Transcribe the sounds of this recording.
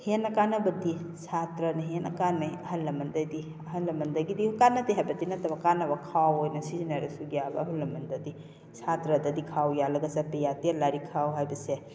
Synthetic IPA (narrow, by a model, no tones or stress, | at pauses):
henːɐkanɐbɐdisʰatɾɐnɐɦenɐ̰kanːajɐɦɐlːɐmɐndɐdi | ɐɦɐnlːɐmɐndɐɡidihukanɐtiɦajbɐtinɐtɐbɐkanɐbɐkʰawojnɐsizinaɾɐsuɡiabɐɦulːɐmɐndɐdi | sʰatɾɐdɐdikʰawjalɐɡɐsapejatiɐlaɾikʰawɦajbɐse